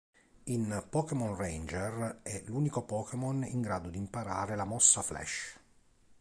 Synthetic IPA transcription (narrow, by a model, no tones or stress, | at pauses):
inpɔkemɔnrend͡ʒerɛluːnikopɔːkemonḭŋɡɾaːd̪od̪impaɾaːɾelamɔsːaflɛ̰ʃ